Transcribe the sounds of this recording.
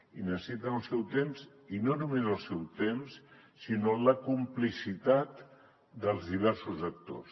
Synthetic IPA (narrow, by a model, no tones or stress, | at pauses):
inəsit̪ənəlˠsɛwt̪emz | inonumezəlˠsɛwt̪ems | sinoləkumplisit̪at̪ | d̪əlˠzðiβɛɾsuzək̚t̪o̰s